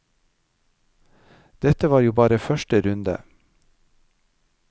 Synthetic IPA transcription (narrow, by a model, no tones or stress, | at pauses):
d̪̥ɛt̪əʋɑːɾjuːbɑːɾəfœʃʈəɾʉnd̪ə̰